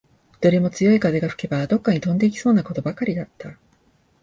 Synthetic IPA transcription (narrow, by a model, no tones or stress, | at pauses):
d̪̥o̞ɾʲe̞mo̞t͡sɨjo̞ikad̪eɡaɸɯ̟̥ke̞bad̪o̞kːaɲ̟it̪õ̞nd̪e̞ikʲi̥so̞ːnako̞t̪o̞bakaɾʲid̪at̪ːa